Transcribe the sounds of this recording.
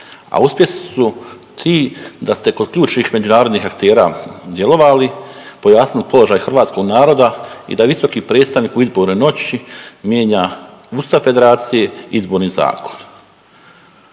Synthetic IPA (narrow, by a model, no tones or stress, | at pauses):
a̰uspje̞sisu | t̪ʰiːd̪ast̪e̞kod̪kʎuːt͡ʃnixme̞d͡ʑunaːɾo̞d̪niːxakt̪e̞ːɾa̰ːd̪je̞lo̞ʋalipojaːsnilipo̞lo̞ʒaːjxr̩ʋaːt̪sko̞ɡnaːɾo̞d̪aḭd̪aʋiso̞kipɾe̞ːt̪st̪aʋniːkuizboɾneno̞t͡ɕimjeːɲaust̪afe̞d̪e̞ɾaːt̪sije̞izbo̞ːɾniːza̰ːko̞̥n